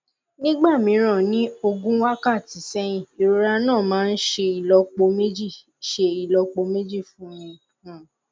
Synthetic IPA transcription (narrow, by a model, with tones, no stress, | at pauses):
nĩ˦ɡ͡ba˦˨mĩ˨˧˦ɾ̃ã˦˨nĩ˨˦o˧ɡũ˦wa˦ka˦˨ti˨˦sɛ˦j̃ĩ˦˨e˨ɾo˦ɾa˧nãː˦˨mãː˦˧n̩˦ʃe˧i˨lɔ˧k͡po˧me˦d͡ʒi˦˨ | ʃe˧i˨lɔ˧k͡po˧me˦d͡ʒi˦˨fũ˦jĩ˧˨